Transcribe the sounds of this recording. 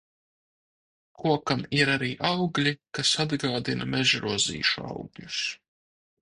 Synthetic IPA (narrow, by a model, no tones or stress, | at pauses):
kuɔkamiɾaɾiːʔawɡlʲikasad̪ɡaːd̪inameʒɾuɔzḭːʃua̰wɡʎʲus